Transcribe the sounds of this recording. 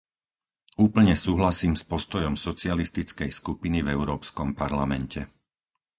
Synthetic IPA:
uːpl̩ɲɛsuːɦlasiːmspɔst̪ɔjɔmsɔt͡sɪalist̪it͡skɛjskupinivɛʊɾɔːpskɔmpaɾlamɛncʰɛ

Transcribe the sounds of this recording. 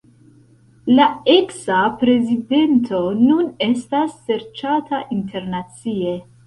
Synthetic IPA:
lae̞ksapɾe̞zide̞ntʰo̞nune̞stasːe̞ɾt͡ʃatʰaʔintʰe̞ɾnat͡sie̞

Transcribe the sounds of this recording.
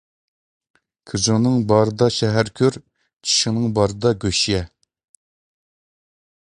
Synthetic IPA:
kʰɨzuŋnɨŋbɑɾɨd̪ɑʃɛɦæɾkʲʰøɾ | t͡ʃʰi̥ʃɪŋnɨŋbɑɾɨd̪ɑɡʲøʃjɛ

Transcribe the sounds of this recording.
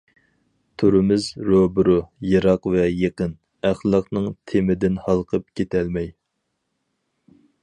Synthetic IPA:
t̪ʰoɾɪmɪzɾobʊɾʊjɑɾɑqvɛjeqən | æχlˠɑqnɨŋt̪ʰɪmɪd̪ɪnhɑlˠqʰəp̚kʲet̪ʰɛlmɛj

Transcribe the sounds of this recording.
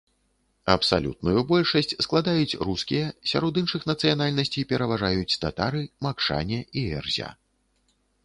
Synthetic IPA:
ɐpsa̰lʲṵt̪̚nujubɔlʲʂɐsʲt͡sʲsklˠad̪ajut͡sʲruskʲijɐsʲa̰ɾɔd̪inʂɨxnɐt̪sɨjanalʲnɐsʲt͡sʲijpʲɛɾɐvaʐajut͡sʲt̪a̰t̪aɾɨmakʂa̰nʲɛʔiɛrzʲa̰

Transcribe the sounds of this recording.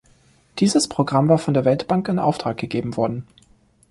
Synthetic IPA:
d̥iːzəspʁ̥oɡʁamvaːɐfɔndeːɐvɛltb̥aŋkɪnʔa̰ʊftʁ̥aːk̚ɡ̥əɡeːbm̩vɔɐdn̩

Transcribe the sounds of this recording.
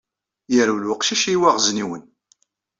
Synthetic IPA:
jəɾulwəqʃiʃiwæʁzniwən

